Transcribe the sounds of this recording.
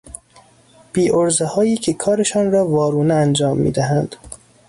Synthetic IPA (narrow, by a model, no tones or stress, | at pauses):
b̥iːʔoɾzehɒːjiːcʰekʰɒːɾeʃɒːnɾɒːvɒːɾuːneænd͡ʒɒːmːḭːd̪æɦænd̪̥